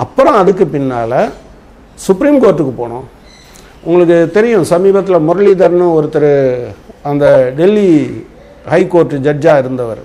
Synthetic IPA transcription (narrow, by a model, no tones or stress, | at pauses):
ɐpːɯɾõɐðɯkːɯpɪnːaːlɐ | sʊpɾiːmkoːɾʈːɯkːɯpoːɳʊ̃ | ʊŋɡɐɭɯk̬ːɯt̪ɛɾɪjʊ̃sɐmiːbɐt̪̬ːɪlɐmʊɾɐɭiːd̪ɐɾnɯ̃ɔɾɯt̪ːɐɾɯ | ɐnd̪ɐɖɛlːi | hɐɪkːoːɾʈːɯd͡ʒɐd͡ʒaːɪɾɯnd̪ɐʋɐɾ